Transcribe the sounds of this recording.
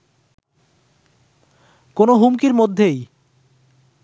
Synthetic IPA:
konoɦumkiɾmod̪ʱːej

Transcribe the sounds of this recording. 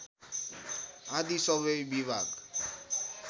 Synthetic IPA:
ãd̪isʌbʌjbibʱaɡ

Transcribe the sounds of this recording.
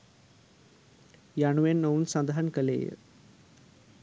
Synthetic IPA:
jaɳuʋenːowunsɐnd̪ɐɦɐnkɐlḛːjə̰

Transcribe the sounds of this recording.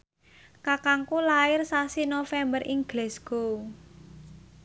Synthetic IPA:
kakaŋkulaɪrsasinofɛmbəɾʔiŋɡlesɡ̥o

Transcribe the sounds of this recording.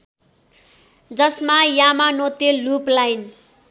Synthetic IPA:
d͡zʌsmajamanot̪eluplajn

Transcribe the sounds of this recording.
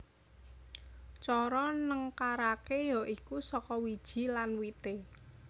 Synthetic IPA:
t͡ʃɔɾɔnəŋkaɾakejɔʔikusɔkɔwid̥ʒ̥i̤lanwit̪e

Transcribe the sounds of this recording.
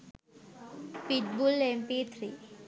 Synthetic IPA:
piʈbulempit̪ʰɾiː

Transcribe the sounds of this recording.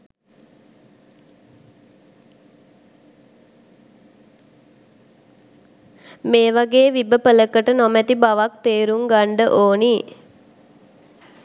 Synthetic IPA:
meːʋaɡeːʋibəpələkəʈənɔmæt̪ibaʋak̚t̪eːɾuŋɡaɳɖəʔoːni

